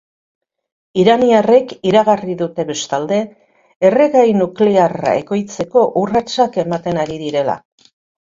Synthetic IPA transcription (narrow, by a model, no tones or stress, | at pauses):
iɾaniare̞kiɾaɣariðut̪e̞βe̞st̪ald̪e̞ː | reɣajnukleara̰e̞ko̞jt͡se̞ko̞ʔurat͡sake̞mat̪e̞naɾiðiɾe̞la̰